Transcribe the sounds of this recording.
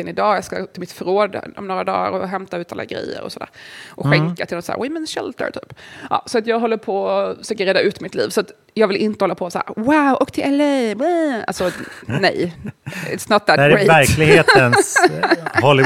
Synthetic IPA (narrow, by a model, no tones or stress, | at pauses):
ɛnɪd̪ɑːjɑːɡska̰t̪ʰɪlmɪt̪fœɾoːd̪ɔ̰mnoːɾad̪ɑ̰ːɾɔɦɛmt̪aʉːt̪ʰa̰lːa̰ɡɾɛɛ̰jːə̰ɾɔ̰sɔd̪æːɾɾʔɔkɧɛŋkat̪ɪlɔsaæ̰ɾwɛmɛnʃɛ̰lt̪ə̰ɾt̪ʰy̰ːpʔɑ̰ːsɔat̪jɑːɡɦɔlːəɾpʰɔɔfəʂøːkəɾeːd̪aʔʉ̟ːt̪mɪt̪lḭːvsɔat̪ | jɑːɡvɪlʔɪnt̪əhɔlːapʰɔsaæːɾwaʊʔɔkt̪ʰɪlʔɛleɛa̰lsɔnɛj | ɪ̰t̪snɔt̪̚ðæt̪æɾeæɾklɪɡheːt̪əns | hɔlːɪ